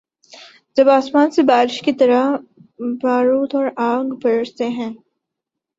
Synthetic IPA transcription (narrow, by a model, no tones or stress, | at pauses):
d͡ʒɐbaːsmaːnsebaːɾɪʃkit̪ɐɾa | baːɾuːt̪ɔːɾaːɡbɐɾɾt̪eɦɛ̃ː